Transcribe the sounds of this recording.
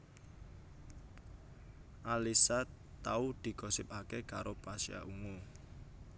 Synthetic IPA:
ʔalisa | t̪aud̪̥i̤kɔsɪpakekaɾopasia̰ʔuŋu

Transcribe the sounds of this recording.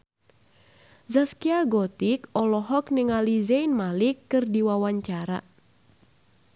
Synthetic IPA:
zaskiaɡɔt̪ikɔlɔɦɔknɨŋalizɛjnmalikːɨrdiwawaɲt͡ʃaɾa̰

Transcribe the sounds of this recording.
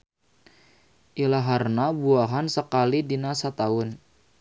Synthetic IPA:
ʔilaɦarnabuaɦansəkalidinasat̪aʊn

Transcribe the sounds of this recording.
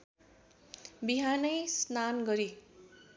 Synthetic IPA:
biɦanʌjsnanɡʌɾi

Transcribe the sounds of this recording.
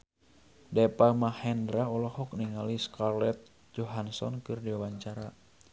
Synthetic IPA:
dɛpamahɛndɾaɔlɔhɔk̚niŋaliskarlɛt̪̚ | d͡ʒɔɦansɔ̰nkɨrdiwawaɲt͡ʃaɾa

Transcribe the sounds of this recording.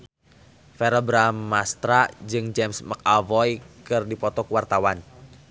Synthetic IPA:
fɛɾəbɾamːast̪ɾad͡ʒɨŋd͡ʒɛmsmək̚avɔjkɨrdipɔt̪ɔkuwart̪awan

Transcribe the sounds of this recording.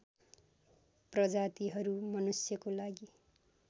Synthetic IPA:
prʌd͡zat̪iɦʌɾumʌnusjʌkolaɡi

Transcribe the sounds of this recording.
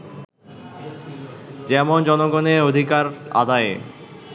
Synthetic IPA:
d͡ʑɛmond͡ʑɔnoɡoneod̪ʱikaɾa̰d̪ae

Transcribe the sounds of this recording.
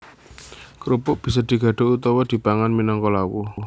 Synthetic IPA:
kɾupʊʔb̥i̤s̬ɔd̪̥i̤ɡ̥ä̤ɖ̥o̤ut̪ɔwɔd̪̥i̤b̥aŋanminɔŋkɔlawu

